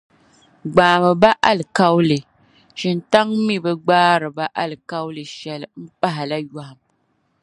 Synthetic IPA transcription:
ɡ͡baː˨mɨ˨ba˦ʔa˦lɨ˨ka˦wlɨ˨ | ʃi˨nta˦ŋmi˦bɨ˦ɡ͡baː˦ɾɨ˨ba˦ʔa˦lɨ˨ka˦wlɨ˨ʃɛ˨lɨ˨m̩˦pa˦ɦɪ˨la˦ja˨ha˨m

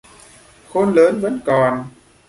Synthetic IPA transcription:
xo˧nləː˨˦nvə̰˧˥nkɔ˨˩n

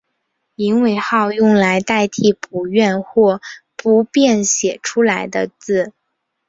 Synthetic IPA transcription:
i˧˥ŋwe˨˩ɪxɑ˥˧ʊjʊ˥˩ŋla˧˥ɪt̪a˥˧ɪt̪ʰi˥˩pʰu˨˩ɥɛ˥˧nxwɔ˥˩pu˧˥pjɛ˥˩nɕjɛ˨˩ʈ͡ʂʰu˥la˧˥ɪd̪ə̰˧t͡sɹ̩˥˩

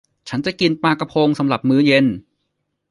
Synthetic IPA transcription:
t͡ɕʰa˦˥nt͡ɕa˨˩ki˧npaː˧ka˧pʰoː˧ŋsa˨˦mɾa˨˩p̚mɯː˦˥je˧n

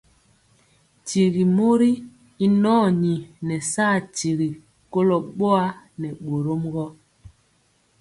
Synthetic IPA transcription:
ti˨ɣi˨mo˦ɾi˦ | i˦nɔː˦˨ɲi˨nɛ˨saː˦˨ti˨ɣi˨ | ko˦lɔ˨ɓo˦a˦nɛ˨ɓo˨ɾo˦mɡɔ˦

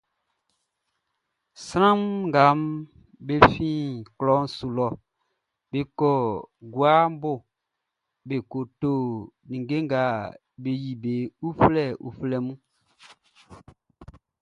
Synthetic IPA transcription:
sɾã˦mŋ˨ɡa˨˦m | be˦fĩː˦˨klɔ˨˦n˦su˨lɔ˨ | be˦kɔ˨ɡwa˦m˦bo˦˨ | be˨ko˨to˦˨nĩ˨ŋɡe˦ŋɡa˨˦ | be˨ji˨be˨u˦flɛ˦˨ṵ˨flɛ˨mũ˦

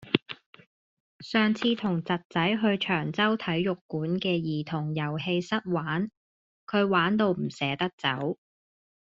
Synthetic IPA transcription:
sœː˨ŋt͡sʰiː˧t̪ʰʊ˨˩ŋt͡sɐ˨t̚t͡sɐ˨˥jɦɵ˧ɥt͡ʃʰœː˨˩ŋt͡sɐ˥wt̪ʰɐ˨˥jjʊ˨kːuː˨˥nkɛː˧jiː˨˩t̪ʰʊ˨˩ŋjɐ˨˩whe˧jsɐ˥t̚waː˨˥n | kʰɵ˨˧ɥwaː˨˥nt̪o˧wm̩˨˩sɛː˨˥t̪ɐ˥k̚t͡sɐ˨˥w

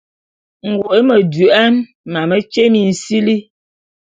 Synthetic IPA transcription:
ŋ̩˨ɡo˨ʔe˦mə˨dʉ˨ʔa˦n | ma˨mə˨t͡ʃe˦mi˨n̩˨si˦li˦

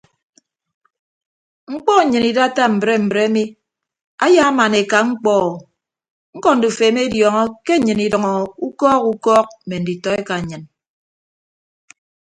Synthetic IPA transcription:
ŋ͡m̩˦k͡pɔ˦˨ɲɨ˨ni˨da˦ta˦m̩˨bɾe˦m̩˨bɾe˦a˦mi˦ | a˦ja˦ma˨ne˨ka˨ŋ͡m̩˦k͡pɔː˦˨ | ŋ̩˦kɔ˦n̩˨du˨feː˨˦m˦e˦djɔ˨ŋɔ˦ke˦ɲ̩˦ɲɨ˨ni˨dɔ˨ŋɔ˨u˦kɔː˦ku˦kɔː˦k̚m̩˨me˨n̩˨di˨tɔ˨e˦ka˨ɲɨ˨n

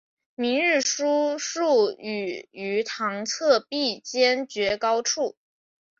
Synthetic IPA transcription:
mi˧˥ŋɻ̩˥˩ʂu˥ʂu˥˩y˨˩y˧˥t̪ʰɑ˧˥ŋt͡sʰɤ˥˧pi˥˩t͡ɕjɛ˥nt͡ɕɥɛ˧˥kɑ˥ʊʈ͡ʂʰu˥˩

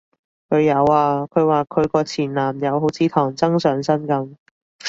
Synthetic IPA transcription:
kʰɵ˨˧jɐ˨˧waː˧kʰɵ˨˧ɥwaː˨kʰɵ˨˧ɥkɔː˧t͡sʰiː˨˩nlaː˨˩mjɐ˨˧wɦo˨˥wt͡sʰiː˨˧t̪ʰɔː˨˩ŋt͡sɐ˥ŋsœː˨˧˥ŋsɐ˥nkɐ˨˧m

